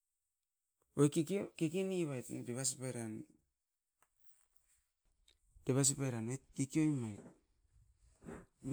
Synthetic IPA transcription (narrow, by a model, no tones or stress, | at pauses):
ojkikkekiniβajtdeβasipaɾan | d̥eβas̬ipajɾanekikiojmajt̚